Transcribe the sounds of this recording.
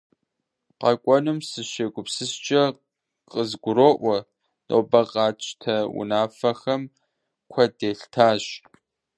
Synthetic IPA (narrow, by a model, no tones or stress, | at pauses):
qɐkʷʼɔnumsɨʃeɡʷʊpsɨst͡ʃʼɐ | qʼəzɡʷʊɾoːʔʷɔ | no̰ːbɐqʼɑːt͡ʃʼtʰɐwʊ̰naːfɐxɐm | kʷʰɐdeːɬtʰaːɕ